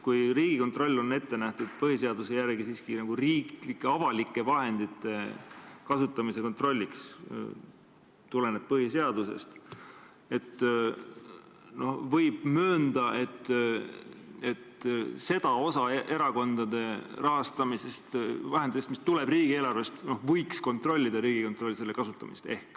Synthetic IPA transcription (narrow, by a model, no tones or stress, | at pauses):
kujriːɡ̥iko̞nt̪ro̞lʲːo̞ne̞t̪ːe̞næht̪ud̪̥̚pɤɦise̞ɑd̪use̞jærɡisiːskinɑɡ̥uriːɡlikːeɑvɑlikːˑe̞vɑɦe̞nd̪it̪ːˑe̞kɑsut̪ːˑɑmise̞ko̞nt̪ro̞lʲːiks | t̪ule̞neb̥̚pɤhise̞ɑd̪̥usḛst̪ | e̞t̪ | no̞hvɤjb̥møːnd̪̥ɑʔet̪ː | e̞t̪se̞d̪̥ɑo̞sɑe̞ɾɑko̞nd̪̥ɑd̪̥e̞rɑɦɑst̪ɑmisest̪vɑɦend̪it̪ːest̪mist̪ule̞briːɡ̥ie̞ːlɑrve̞st̪no̞hvɤjksko̞nt̪ro̞lʲːid̪̥ɑɾiːɡ̥iko̞nt̪ˑro̞lːse̞lːe̞kɑsut̪ːˑɑmist̪e̞̰hk